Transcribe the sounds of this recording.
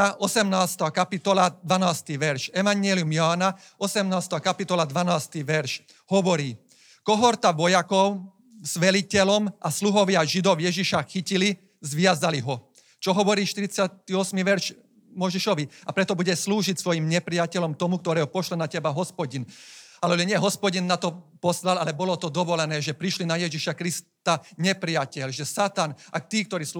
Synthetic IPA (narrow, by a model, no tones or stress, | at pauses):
aʔɔsɛmnaːst̪aːkapit̪ɔlad̪ʋanaːst̪iʋɛɾʃɛʋaɲɪɛliumjaːna | ɔsɛmnaːst̪ɛakapit̪ɔlad̪ʋanaːst̪iʋɛɾʃ | hɔʋɔɾiː | kɔɦɔɾt̪aʋɔjakɔʊ | z̥ʋɛlicɛlɔmasluɦɔʋɪaʒid̪ɔʊjɛʒiʃaxicili | zʋɪazaliɦɔ | t͡ʃɔɦɔʋɔɾiːʃt̪iɾit͡sɪat̪iɔsmiːʋɛɾʃ | mɔjʒɛʃɔʋiapɾɛt̪ɔbuɟɛsluːʒicsʋɔjimɲɛpɾiacɛlɔmt̪ɔmuk̚t̪ɔɾɛːɦɔpɔʃlɛnacɛbaɦɔspɔɟinalɛʒɛɲɪɛɦɔspɔɟinːat̪ɔpɔslalalɛbɔlɔt̪ɔd̪ɔʋɔlɛnɛːʒɛpɾiʃlinajɛʒiʃakɾist̪aɲɛpɾiacɛlʒɛsat̪anak̚t̪iːkt̪ɔɾiːs